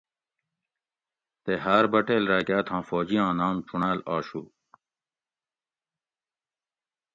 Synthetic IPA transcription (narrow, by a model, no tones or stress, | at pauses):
t̪eɦaːɾbɐʈeːlɾaːɡaːt̪ʰãːfoːd͡ʑiãːnaːmt͡ɕuɳaːlaːɕuː